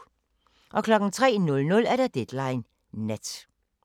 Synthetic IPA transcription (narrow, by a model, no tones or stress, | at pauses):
ʔɒ̽kʰlɒ̽ɡ̥n̩t͡sʰʁɛ̰ːnɔ̽lnɔ̽læɐɾ̥æd̥ed̥lɑ̈ɪnː | ed̥